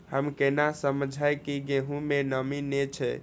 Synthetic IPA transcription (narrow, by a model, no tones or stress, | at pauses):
həmkenasəməd͡ʒʱaekiɡeɦũmenəminet͡ʃʰɛ̰